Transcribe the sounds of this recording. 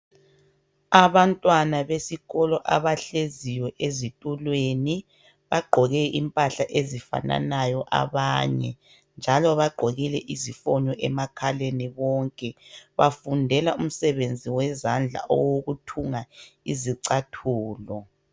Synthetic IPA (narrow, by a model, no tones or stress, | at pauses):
aβantʼwanaβesiɣɔlɔʔaβaɬeziwɛʔezitʼulweni | βaɡ͡ǃʱɔɣɛʔimpʼaɬaʔezifa̰na̰najɔʔa̰βaːɲɛ̰ | nd͡ʒʱalɔβaɡ͡ǃʱoɣilɛʔizifɔɲɔʔɛmakʰaleniβɔŋkʼɛβafundʱɛlaum̩sɛβend͡zʱiwɛzand͡ɮʱa̰ʔɔ̰woɣutʰuŋaiziǀatʰuːlɔ